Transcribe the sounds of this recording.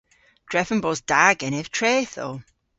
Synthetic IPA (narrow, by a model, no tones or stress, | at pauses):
d̥ɹɛfə̃nbɔzd̥aɡɛnɛv̥tʰɹeːθo̰